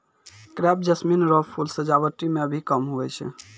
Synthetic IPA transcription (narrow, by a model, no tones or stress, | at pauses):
kɾɛp̚d͡ʒəsminɾɔpʰulsəd͡ʒaβəʈːimeəbʱikəmɦuɛt͡ʃʰɛ̰